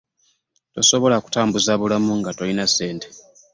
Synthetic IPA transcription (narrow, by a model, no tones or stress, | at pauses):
to̞so̞βo̞laku̥taːmbuzaβulamuŋɡatolinase̞ːnte